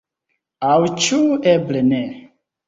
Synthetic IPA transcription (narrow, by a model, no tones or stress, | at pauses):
awt͡ʃuɛblɛnɛ